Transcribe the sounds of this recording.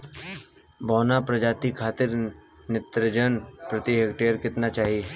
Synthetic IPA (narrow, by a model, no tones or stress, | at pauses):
bɔːnapɾɐd͡ʒaːt̪ikʰaːt̪ɪɾ | nɪt̪ɾəd͡ʒənpɾɐt̪iɦeːkʈeːəɾkɪt̪nat͡ʃaːɦiɛ